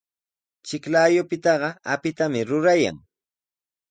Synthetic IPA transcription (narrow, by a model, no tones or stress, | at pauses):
t͡ʃɪklaːjʊpɪt̪ɑɢɑapɪt̪amɪɾʊɾaja̰ŋ